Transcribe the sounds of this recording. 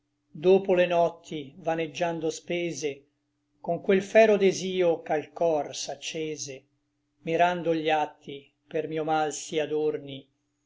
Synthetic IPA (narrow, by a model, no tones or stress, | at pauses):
d̪oːpolenɔt̪ʰːivaned͡ʒːand̪ospeːze | koŋkwelfɛːɾod̪eziːokalkɔrsat͡ʃːeːze | miɾand̪oʎat̪ʰːi | permiːomalsiad̪orni